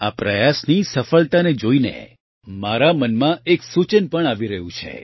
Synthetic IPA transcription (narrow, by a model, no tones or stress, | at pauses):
apɾəjasnisəfəɭt̪aned͡ʒoinḛ | maɾamənmãeksut͡ʃənpəɳaʋiɾəɦũt͡ʃʰḛ